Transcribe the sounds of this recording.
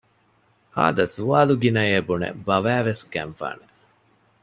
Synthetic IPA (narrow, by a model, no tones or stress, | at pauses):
ha̰ːd̪ɐsuaːluɡinɐjeːbunḛbɐʋæːʋesɡænfa̰ːne